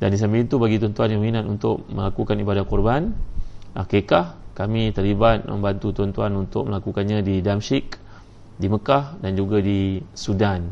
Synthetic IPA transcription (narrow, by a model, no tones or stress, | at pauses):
dandis̬ambiint̪ubaɡit̪ɔnt̪uanjaŋminat̪unt̪ʊk̚mə̰̃lakukanibadatkɔrbanʔakekahkamĩt̪əlibat̪̚mə̰̃mbant̪ut̪ɔnt̪uanunt̪ʊk̚məlakukanɲãdidamsik | diməkahdand͡ʒuɡadisudan